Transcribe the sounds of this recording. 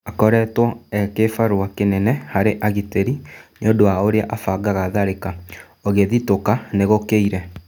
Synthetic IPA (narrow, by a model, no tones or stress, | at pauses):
akɔɾɛtwɔɛkefaɾoakenɛnɛhaɾeʔaɣiteɾineodoaoɾeaʔafaɡaɣaðaɾeka | oɣeðitokaneɣokeiɾɛ